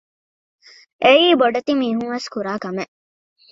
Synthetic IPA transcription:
ʔeiːboɖɐt̪imiːɦuŋʋeskuɾaːkɐmeʔ

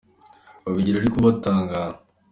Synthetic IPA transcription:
oβiɟiɾaɾikuβat̪aːŋɡaː

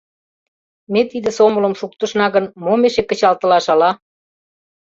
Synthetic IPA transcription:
met̪id̪ə̆somələ̆mʃuk̚t̪ə̆ʃnɑɣənmomeʃekə̆t͡ɕɑlt̪ə̆lɑʃɑlɑ

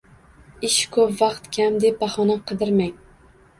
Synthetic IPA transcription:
ɪʃkʰɵpvɑqt̪kʲʰamd̪e̞p̚bɑχɒnaqʰɨd̪ɪɾmaŋ

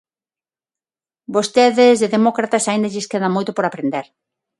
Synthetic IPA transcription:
bost̪eðezðeðemɔkɾat̪asaĩnd̪aʎɪskeðɐmojt̪ʊpoɾapɾend̪eɾ

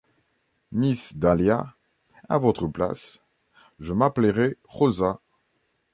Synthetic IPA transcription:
misd̪alja | a̰vɔt̪χəpla̰s | ʒəmapleʁɛ | ʁoza

